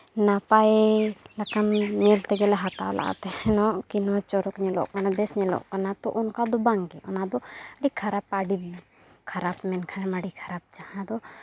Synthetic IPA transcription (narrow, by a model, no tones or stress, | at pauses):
napajlakanɲɛlt̪ɛɡɛlɛɦat̪a̰la̰ʔa̰t̪ɛhɛnɔʔkinɔt͡ʃɔɾɔkɲɛlɔ̰ʔkanad̪ɛsɲɛlɔ̰ʔkanat̪ɔʔɔnkad̪ɔbaŋɡɛʔɔnad̪ɔaɖikʰaɾap̚aɽibi | kʰaɾapmɛnkʰanɛmaɖikʰaɾap̚t͡ʃahãd̪ɔ